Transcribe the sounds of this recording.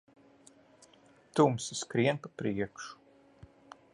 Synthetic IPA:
t̪umsiskɾiɛnpapɾiɛkʃu̥

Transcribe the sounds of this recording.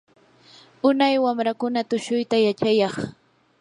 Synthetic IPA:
ʊnajwamɾakʊnat̪ʊʃʊjt̪ajat͡ʃajɑχ

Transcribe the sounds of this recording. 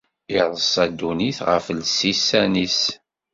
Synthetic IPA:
iðˤəsˤæd̪uniθʁə̰flsisænis

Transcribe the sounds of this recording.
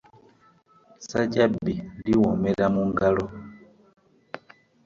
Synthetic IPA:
sad͡ʒabiliwɔmɛlamuŋɡalɔ

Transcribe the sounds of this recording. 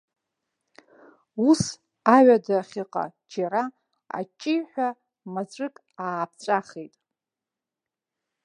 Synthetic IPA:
us | aɥadaχʲɪqʼa̰d͡ʒaɾa | a̰t͡ʃʼːijħʷᶣa | mazʷʼɨkʼ | aːp̚ʰt͡sʷʼaχejtʼ

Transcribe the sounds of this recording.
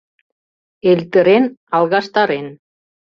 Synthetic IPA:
elt̪ə̆ɾenɑlˠɣɑʃt̪ɑɾen

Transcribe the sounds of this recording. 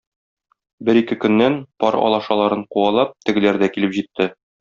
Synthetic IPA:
bɘɾikɘkɵ̆nːænpɒɾɒ̰lˠɑʃɑlˠɑɾɤɴquɑlˠɑp̚t̪ɘ̆ɡɘ̆læɾd̪ækilɘpʑit̪ːɘ

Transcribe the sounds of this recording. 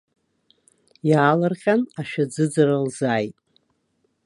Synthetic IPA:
jaːlarqʲʼanaʃᶣad͡zɨd͡zaralzaːjtʼ

